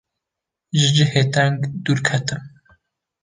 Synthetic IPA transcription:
ʒɨd͡ʒəheːt̪ɛŋɡd̪uːɾkʰɛt̪ɨm

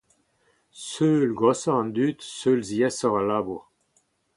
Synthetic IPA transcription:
søːlɡɔsɔʁɑ̃nd̪yːt̪sølziɛsɔʁalaːbuʁ

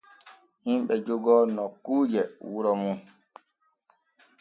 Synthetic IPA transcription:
himɓɛd͡ʒoɡɔnɔkuːd͡ʒɛwuɾɔmun

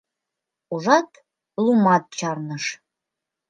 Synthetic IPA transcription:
uʒɑt̪ | lumɑt̪̚t͡ɕɑrnəʃ

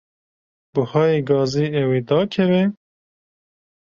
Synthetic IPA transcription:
bɨhɑːjeɡɑːziːɛweːd̪ɑːkʰɛvɛ

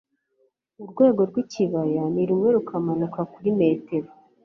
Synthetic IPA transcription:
uɾɡwe̞ːɡo̞ɾɡwiciβajaniɾumŋe̞ɾukamanukakuɾime̞ːte̞ɾo

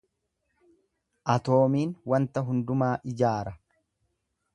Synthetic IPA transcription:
ʔɐt̪o̞ːmiːnwɐnt̪ɐɦʊnd̪ʊmaːʔɪd͡ʒaːɾɐ

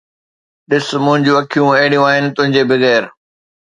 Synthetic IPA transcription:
ɗɪsʊmʊ̃ɦɪ̃ɲd͡ʑũɐkʰijũɐɦɪɽijũaːɦɪnɪ̆t̪ʊ̃ɦɪ̃ɲd͡ʑebɪɣɛːɾ

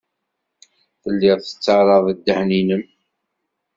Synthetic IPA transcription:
θəlːɪðˤθə̥t͡sːəʕɾˤəðˤəd̪ːəħninəm

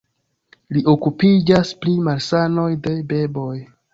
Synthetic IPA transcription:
liʔo̞kupid͡ʒasplimalsano̞jde̞be̞bo̞j

